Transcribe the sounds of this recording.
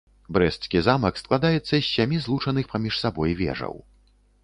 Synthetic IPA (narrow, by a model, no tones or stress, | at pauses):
bɾɛst̪skʲizamɐksklˠad̪ajɛt̪sːɐɕʲːamʲizlˠut͡ʂɐnɨxpamʲiʂsabɔjvʲɛ̰ʐɐ̰w